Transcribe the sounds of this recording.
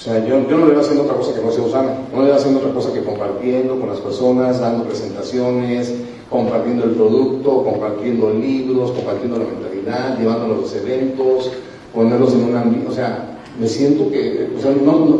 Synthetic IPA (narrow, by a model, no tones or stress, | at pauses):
o̥seaʝoɟ͡ʝonojeβasjend̪oot̪ɾako̞sakenoseosanḁonojeβasjend̪oo̞t̪ɾakosakeko̞mpaɾt̪je̞nd̪o̞ko̞nlaspeɾso̞nazd̪and̪o̞pɾe̞se̞nt̪asjo̞nes | ko̞mpaɾt̪je̞nd̪o̞e̞lpɾo̞ðukt̪o̞ko̞mpaɾt̪je̞nd̪oliβɾo̞sko̞mpaɾt̪jend̪olamẽ̞nt̪aliðaðʝe̞βand̪o̞lozese̞βe̞nt̪o̞s | po̞neɾlos̬enunambiose̞a | me̞sje̞nt̪o̞keoseano